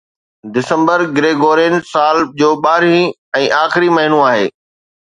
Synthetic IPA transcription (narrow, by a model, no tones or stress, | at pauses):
d̪ɪsə̃mbəɾɡɾeːɡoːɾẽːnsaːld͡ʑoːɓaːɾĩ | ɛ̃ːʔaːxɪɾimɐɦɪnũaːɦeː